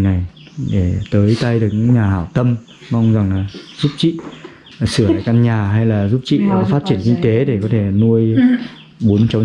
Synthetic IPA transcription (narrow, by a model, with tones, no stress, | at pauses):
na˨˩j | ɗe˧˩t̪əː˨˦jt̪a˧jɗɨ˨˩ək̚ɲɨ˧˥ŋɲaː˨˩haː˧˩wt̪ə˧m | ma˧wŋ͡mza˨˩ŋlaː˨˩zu˦˥p̚t͡ɕḭ˧˨˩ | sɨ˧˩əla̰ː˧˨ka˧nɲaː˨˩ɦa˧jlaː˨˩zu˦˥p̚t͡ɕḭ˧˨kɔ˨˦faː˦˥t̚t͡ɕi˧˩ənkï˧ŋ̟t̪e˨˦ɗe˧˩kɔ˨˦t̪ʰe˧˩nu˧əj | ɓo˨˦nt͡ɕa˨˦